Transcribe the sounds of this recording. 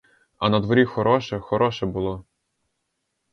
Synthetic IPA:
ɐnɐd̪ʋɔɾʲixɔɾɔʃɛxɔɾɔʃɛbʊlˠɔ

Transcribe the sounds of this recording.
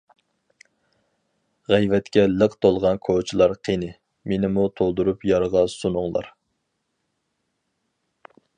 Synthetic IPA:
ʁɛjvɛt̪kʲɛlˠəqt̪ʰolˠʁɑnkʰot͡ʃʰilˠɑɾqʰenɪ | menɪmut̪ʰolˠd̪uɾupjɑɾʁɑsunʊŋlˠɑ̰ɾ

